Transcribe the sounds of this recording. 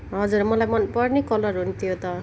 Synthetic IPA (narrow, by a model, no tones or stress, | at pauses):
ɦʌd͡zurmʌlajmʌnpʌrnekʌlʌrɦunt̪ʰijot̪ʌ